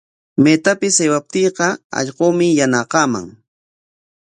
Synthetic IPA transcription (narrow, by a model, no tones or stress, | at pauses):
meːt̪apɪsejwap̚t̪iːqɑɑ̰ʎqoːmɪjanɑqɑma̰ŋ